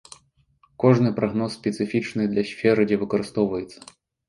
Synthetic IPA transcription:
kɔʐnɨpɾɐɣnɔsːʲpʲɛt̪sɨfʲit͡ʂnɨd̪lʲɐsʲfʲɛɾɨd͡zʲɛvɨkɐɾɨst̪ɔwvɐjɛt̪sːɐ̥

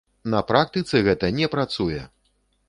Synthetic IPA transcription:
nɐpɾak̚t̪ɨt̪sɛɣɛt̪ɐnʲɛpɾat̪sujɛ

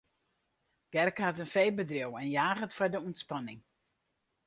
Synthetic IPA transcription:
ɡ̥ɛrkhatənfejbədrɪwɛnjaːɣətfajdəuntspanɪŋ

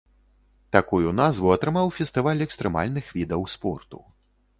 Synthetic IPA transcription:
t̪akujunazvuɐt̪ɾɨmawfʲɛst̪ɨvalʲɛkst̪ɾɛma̰lʲnɨxvʲid̪ɐwspɔ̰rt̪ṵ

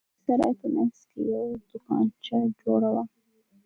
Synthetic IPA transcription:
saɾa̰pəmanzkḛjawd̪̥ʊkɑ̰nt͡ʃad͡ʒoɽawa

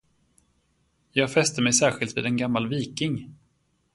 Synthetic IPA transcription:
jɑːɡfɛst̪əmɛjsæːɾɧɪlt̪vḭːd̪ɛnɡamːalviːkɪŋ

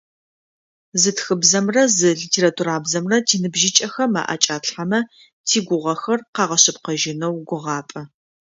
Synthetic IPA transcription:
zɨtxɨbzɐmrɐzɨɮitʰeːɾatʰuɾaːbzɐmrɐtʰiːnɨbʒɪt͡ʃʼɐxɐma̰ːʔɐ̰t͡ʃʼaːtħamɐ | tʰiːɡʷʊʁʷɐxɐrqɑːʁɐɕɪpqɐʒɪnɐwɡʷʊʁɑːpʼɐ

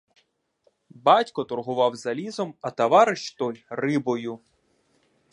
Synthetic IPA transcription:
bɑtʲkɔt̪ɔrɦʊʋɑwzɐlʲizɔmɐt̪ɐʋɑɾɪʃt̪ɔlʲrɪbɔjʊ

